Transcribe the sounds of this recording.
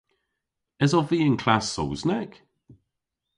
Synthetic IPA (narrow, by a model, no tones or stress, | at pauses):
ɛzɔviːənkʰl̥asːo̰wznɛɡ̥